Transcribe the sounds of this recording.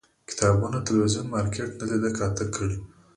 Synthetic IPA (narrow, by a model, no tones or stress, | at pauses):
kɪ̥t̪ɑbunat̪ɪlwizunmɑɾkʰeʈnalid̪əkɑt̪əkʰːəɽi